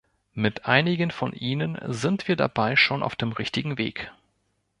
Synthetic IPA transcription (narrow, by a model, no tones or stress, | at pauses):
mɪtʔaɪnɪɡənfɔnʔiːnənzɪntv̥iːɐda̰baɪʃoːnʔa̰ʊfd̥eːmʁɪçtɪɡŋ̩vḛːk